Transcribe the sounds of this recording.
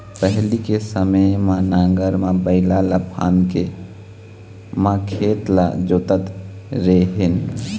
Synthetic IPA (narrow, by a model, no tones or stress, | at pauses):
pəɦlikesəməjmãnãŋɡəɾmabəɪlaləpʰa̰nke | makʰet̪la̰d͡ʒot̪ət̪ | ɾeɦen